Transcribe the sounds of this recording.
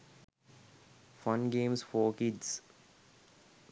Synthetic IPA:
fʌ̃nɡẽːmsfoːkɪɖs

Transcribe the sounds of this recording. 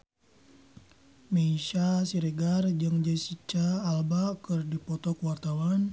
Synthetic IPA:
mɛiʃasiɾɛɡard͡ʒɨŋd͡ʒasit͡ʃaːlbakɨrdipɔt̪ɔkwart̪awan

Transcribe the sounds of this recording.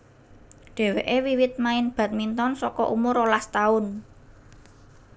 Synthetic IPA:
ɖ̪̥e̤weʔewiwɪt̪̚maɪnb̥ä̤t̪̚mint̪ɔnsɔkɔʔumʊɾolast̪aʊn

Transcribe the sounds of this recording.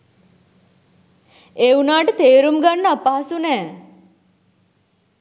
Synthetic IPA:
eunaʈt̪eɾumɡanːəpaɦsunɛ

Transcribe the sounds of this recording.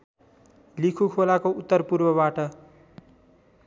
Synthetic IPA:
likʰukʰolakout̪ːʌrpurbʌbaʈʌ

